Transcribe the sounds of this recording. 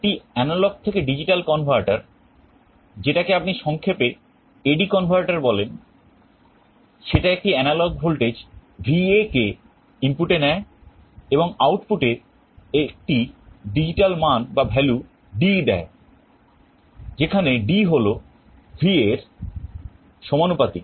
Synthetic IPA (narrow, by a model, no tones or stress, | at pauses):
ʈiɛnalɔɡ̚t̪ʰekeɖid͡ʑiʈalkɔnbʱaɾʈaɾ | d͡ʑeʈakeapniʃɔŋkʰepe | eɖikɔnbʱaɾʈaɾbɔlen | ʃeʈaek̚ʈiɛnalɔɡbʱolʈed͡ʑbʱieke | impuʈenɛe | eboŋawʈpuʈeɾ | ek̚ʈiɖid͡ʑiʈalmanbabʱɛlu | ɖid̪ɛ̰e | d͡ʑekʰaneɖiɦolo | bʱieɾ | ʃɔmanupat̪i